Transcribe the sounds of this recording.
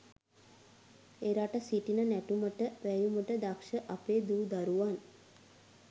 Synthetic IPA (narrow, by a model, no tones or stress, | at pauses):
eɾaʈəsiʈinənæʈuməʈəʋæjuməʈəd̪akʂəʔapeːd̪uːd̪aɾuʋan